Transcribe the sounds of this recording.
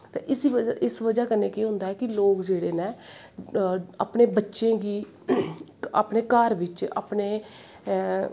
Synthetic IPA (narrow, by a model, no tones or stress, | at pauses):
t̪ḛːʔɪsiəʔɪsʋəd͡ʒaːkəneːkeːɦʊ̃nd̪aːɦɛːkɪloːkd͡ʒeːɽeːnɛː | a̰ːpneːbətːʃẽːɡiː | a̰ːpneːkəɾʋɪt͡ʃa̰ːpneː